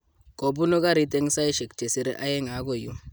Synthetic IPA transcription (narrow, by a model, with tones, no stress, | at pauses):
ko˨bu˦no˦ka˦ɾi˨˦te˦ŋ˦sa˦i˦ʃe˨kt͡ʃe˨si˨ɾḛ˦ʔa˦je˦ŋa˨˦ɡo˨ju˦